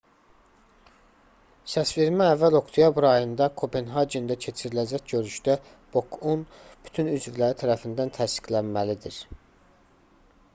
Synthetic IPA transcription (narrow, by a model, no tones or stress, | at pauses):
sæsve̞ɾmæævːælo̞kt̪ʰijɑbɾɑjɯnd̪ɑkʰo̞penɦɑd͡ʒend̪æcʰe̞t͡ʃʰiɾilæd͡ʒæcɟø̞ɾyʃd̪æ | b̥o̞kʰunb̥y̥t̪ʰynyzvilæɾit̪ʰæɾæfind̪ænt̪ʰæst̪i̥klænmælid̪iɾ